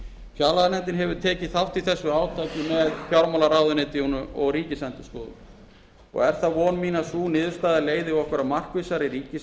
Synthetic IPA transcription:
fjalaðnɛnt̪̬ɪnɦɛvʏɾ̥t̪ʰɛːcɪθawht̪i̥θɛsːʏaːwt̪ʰaːjcɪmɛðfjawɾmalaɾaːwðʏnɪːt̪ɪunʏɔɣriːcɪsɛnt̪ʏ̥sk̪ɔːðʏ̰ | ɔ̰ɣɛɾ̥θavɔnmiːnasuːnɪːðʏɾ̥st̪aːðɪleːjðɪɔhkvɛɾamar̥kvɪsaɾiɾiːcɪ

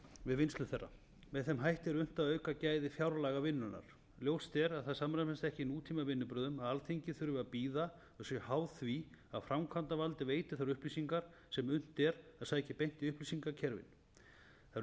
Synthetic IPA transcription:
vɪðvɪnst̪ʏmθɛrːa̰ | mɛðθɛmɦajht̪ɛɾʏn̥t̪aðœːɥkacaːjðɪfjawɾlaɣavɪnːʏna̰ɾ̥ | ljowst̪ɛɾaðθaðsamɾamɛnst̪ɛhcɪnuːt̪ʰiːmavɪnːʏpɾʏːðʏmaðalθejɲcɪθʏɾʏvʏaðpiːða | ʏsʏhaːwθvi | aðfɾawmkʰvant̪avalt̪ɪveːjt̪ɪ̥θaɾʏhplisiŋkaɾ̥ | sɛmʏn̥t̪ɛɾaðsaːjcɪpejn̥t̪iʏhplisiŋkacʰɛɾvɪ̰n | θa

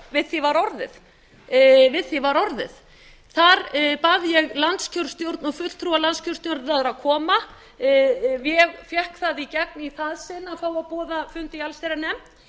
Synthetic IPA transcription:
vɪðθivaɾɔɾðɪð | vɪðθivaɾɔɾðɪ̰ð̥ | θaɾpaðjɛɣlant̪scʰɔwɾ̥st̪jowɾt̪nɔɣfʏt̪l̥t̪ʰɾualant̪scʰɔw̥rst̪jowɾt̪naðɾaðkʰɔːma | vjɛɣfjɛhkθaðicɛkniθaðsɪnːafaːwaðpɔːðafʏnt̪ialsejɾanɛmt̪

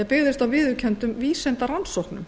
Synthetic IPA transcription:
ɛpɪɣðɪst̪awvɪðʏcʰɛnt̪ʏmviːsɛnt̪aɾansowhknʏm

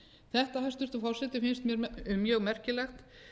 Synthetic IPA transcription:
θɛht̪ahajst̪ʏɾ̥t̪ɔfɔwr̥sɛt̪ɪfɪnst̪mjɛɾʏmjœɣmɛr̥cɪlɛxt̪

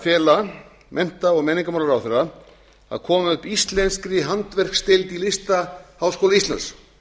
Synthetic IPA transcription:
fjɛːla | mʔɛn̥t̪aɔɣmɛːniŋkamawlaɾawθɪɾa | a̰ðkʰɔːmaʏhpist̪lɛnskɾɪɦant̪vɛr̥kst̪ɪlt̪ilɪst̪ahaːwskowlaist̪lans

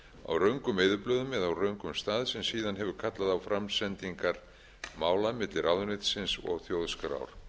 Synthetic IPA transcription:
a̰wrœɥŋkʏmeːjðʏplœːðʏmːɛðawrœɥŋkʏmst̪aːðsɛmsiːðanɦɛvʏɾkʰat̪laðawfɾamsɛnt̪iŋkaɾ̥ | maːwlamɪt̪lɪɾawðʏnɪt̪sɪnsɔ̰ɣθjowðskaɾa̰wɾ̥

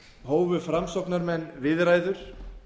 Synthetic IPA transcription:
ɦoːwvʏfɾamsɔwknaɾmɛnːvɪðɾaːjðʏɾ̥

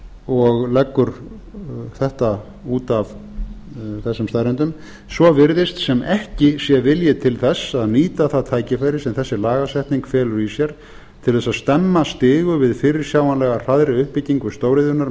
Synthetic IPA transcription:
ɔɣlɛkːʏɾ | θɛht̪a | uːt̪av | θɛsːʏmst̪ajɾɛnt̪ʏm | svɔvɪɾðɪst̪sɛmɛhcɪsjɛvɪljɪt̪ʰɪlθɛsːaðniːt̪aθaðt̪ʰaːjcɪfajɾɪsɛmθɛsːɪlaːɣasɛht̪niŋkfɛːlʏɾisjɛɾ̥ | t̪ʰɪlθɛsaðst̪ɛmːast̪ɪːɣʏvɪðfɪːɾɪɾ̥sjaːwanlɛɣar̥aðɾɪʏhpɪciŋkʏst̪oːwɾɪðʏnaɾ

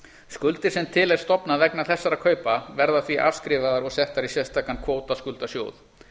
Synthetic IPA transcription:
skʏlt̪ɪɾ̥sɛmt̪ʰɪlɛɾ̥st̪ɔpnavɛknaθɛsːaɾakʰœːɥpavɛɾðaθviʔa̰ːvskɾɪːvaðaɾɔɣsɛht̪aɾisjɛst̪ʰaːkankʰvoːwt̪askʏlt̪asjoːwθ

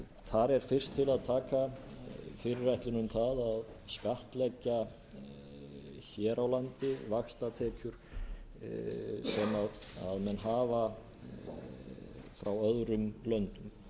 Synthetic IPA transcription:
θaɾɛɾ̥fɪr̥st̪ʰːɪlaðt̪ʰaːka | fɪɾɪrːajht̪lɪnʏmθaðað | skaht̪lɛcːa | çɛːɾawlant̪ɪvaxst̪at̪ʰɛːcʏɾ̥ | sɛmaa̰ðmɛnːɦaːva | fɾawœðɾʏmlœnt̪ʏm

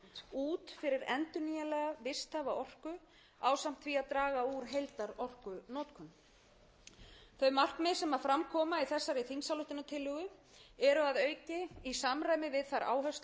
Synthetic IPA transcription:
uːt̪fɪɾɪɾɛ̰nt̪ʏnijalɛɣavɪst̪avaʔɔr̥kʏ | aːwsam̥t̪viaðt̪ɾaːɣauɾ̥ɦejlt̪aɾɔr̥kʏnɔːt̪kʰʏn | θœɥmar̥kmɪsɛmaɾfɾamkʰɔːmaiθɛsːaɾɪθinsalʏht̪ɪnat̪ʰɪlːʏːɣʏ | ɛɾʏaðœːɥcɪisamraːjmɪvɪðθaɾa̰ːwɦœst̪

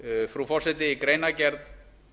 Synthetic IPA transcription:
fɾufɔr̥sɛt̪̬ɪikɾejnacɛɾt̪

